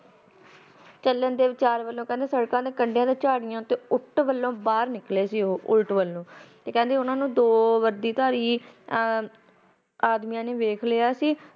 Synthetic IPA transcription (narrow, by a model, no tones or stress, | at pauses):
t͡ʃəlːənd̪eːʋɪt͡ʃaːɾʋəlːõːkɛ̃ːnd̪eːsəɽkãːd̪eːkəɳɖjãːd̪eːt͡ʃaːɽɪjãːt̪eːʊʈʋəlːõːbaːɾnɪkleːsiːoːʔʊlʈʋəlːõːt̪eːkɛ̃ːnd̪eːʊnãːnũːd̪oːʋəɾd̪iːt̪aːɾiː | aːd̪mijãːnẽːʋeːkʰlejaːsiː